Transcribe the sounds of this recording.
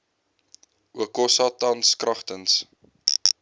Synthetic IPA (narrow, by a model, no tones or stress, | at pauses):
ʔuəkɔsɑːtɐnskrɐχtəns